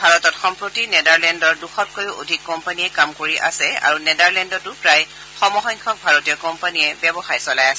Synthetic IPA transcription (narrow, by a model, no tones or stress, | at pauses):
bʱaɹɔtɔtxɔmpɹotinɛdaɹlɛndɔɹduxɔt̚kʰojo̰dʱikːɔmpanijɛkamkoɹiʔa̰sɛa̰ɹunɛdaɹlɛndɔtʊpɹaj | xɔmɔxɔjŋkʰɔk̚bʱaɹotijɔkɔmpanijɛbɛbɔxaɹsɔlajasɛ